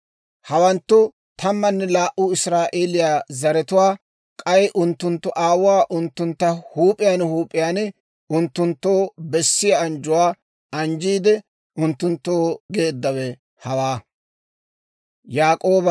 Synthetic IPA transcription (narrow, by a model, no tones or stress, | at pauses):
hɐwɐnt̪ːʊ | t̪ʰɐmːɐnːɛlaːʔʊɪsɾaːʔeːlɪjaːzɐɾɛt̪ʊwaː | kʼɐjʔʊnt̪ːʊnt̪ːʊʔaːwʊwaːʔʊnt̪ːʊnt̪ːɐhuːpʼːɪjaːnhuːpʼːɪjaːn | ʊnt̪ːʊnt̪ːo̞ːbɛsːɪjaɐnd͡ʒʊwaː | ʔɐnd͡ʒiːd̪ɛ | ʔʊnt̪ːʊnt̪ːoːɡe̞ːd̪ːɐwɛ | hɐwaː | jaːkʼo̞ːbɐ